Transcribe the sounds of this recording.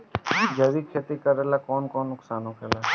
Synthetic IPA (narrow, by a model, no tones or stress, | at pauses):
d͡ʒɐʋiːkʰet̪ikəɾeːlakɔːnkɔːnːʊksaːnokʰela